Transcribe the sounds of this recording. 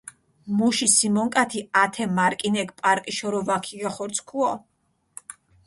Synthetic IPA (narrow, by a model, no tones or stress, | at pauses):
muʃisimɔŋkʼat̪ʰiat̪ʰɛmaɾkʼinɛkpʼaɾkʼiʃɔɾɔvakʰiɡaχɔɾt̪sʰkʰuɔ